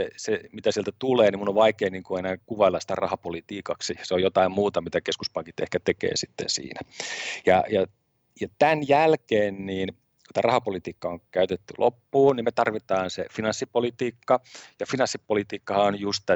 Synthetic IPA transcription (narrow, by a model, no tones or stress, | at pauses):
esemit̪æsielt̪æt̪uleːnimunːoʋʋɑikeːniːŋkuenæːkuʋɑelːɑsi̥t̪æ̰rɑ̰hɑpolit̪iːkɑksiseojot̪ɑimmuːt̪ɑmit̪ækeskuspɑŋkit̪ḛhkæt̪ekḛːsit̪ːḛnsḭːnæjɑjɑ | jɑt̪ænjælkeːnniːn | ku̥t̪ærɑhɑpolit̪iːkːɑoŋkæyt̪et̪ːylʔo̰pːuːnnimmet̪ɑrʋit̪ɑːnsḛfinɑnsːipolit̪iːkːɑjɑfinɑnsːipolit̪iːkːɑhɑonjust̪t̪æ